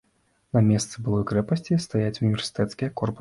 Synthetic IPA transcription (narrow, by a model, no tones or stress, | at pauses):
nɐmʲɛst̪sɨbɨlˠɔjkɾɛpɐsʲt͡sʲist̪ajat͡sʲunʲivʲɛrsɨ̥t̪ɛt̪skʲijɛkɔrpu